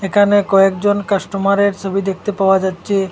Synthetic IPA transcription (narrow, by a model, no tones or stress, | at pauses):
ekʰanekɔekd͡ʑonkaʃʈomaɾeɾt͡ɕʰobʱid̪ek̚ʰt̪epaoad͡ʑatːɕʰe